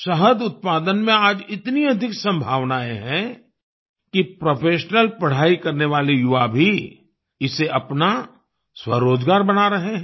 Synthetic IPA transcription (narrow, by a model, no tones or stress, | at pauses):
ʃɐɦəd̪ʊt̪̚paːd̪ənmẽaːd͡ʒɪt̪niɐd̪ʱɪksɐ̃mbʱaːʋnaẽɦɛ̃ | kipɾopʰeːʃnəlpɐɽ̤aːikɐɾneʋaːlejʊʋabʱi | ɪseʔɐpna | swɐ̰ɾoːd͡ʒɡaːɾbɐnaɾɐɦeɦɛ̃